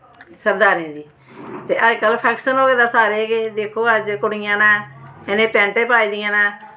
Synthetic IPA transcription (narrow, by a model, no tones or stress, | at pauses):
səɾd̪aːɾẽːd̪iː | t̪eːʔəd͡ʒkəlpʰɛːkʃənɦoːɡeːd̪aːsaːɾeːɡeːd̪eːkʰoːəd͡ʒkʊɽɪjãːnãːɪnẽːpɛ̃ːɳʈẽːpaːiːd̪ɪjãːnaː